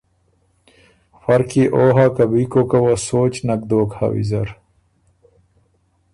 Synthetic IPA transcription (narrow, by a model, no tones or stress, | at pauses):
fɐɾkiːʔoːɦaːkɐbiːkoːkɐwɐsoːt͡ɕnɐk̚d̪oːkha̰wḭzɐɾ